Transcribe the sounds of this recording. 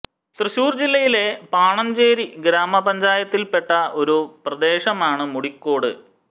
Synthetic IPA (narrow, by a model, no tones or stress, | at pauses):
t̪rɨɕuːrd͡ʑilːɐjile̞paːɳɐmd͡ʑeːɾiɡɾaːmɐpɐɲd͡ʑaːjɐt̪ːilpe̞ʈːɐo̞ɾuprɐd̪e̞ːʂɐmaːɳɨmuɽikːo̞ːɽɨ̰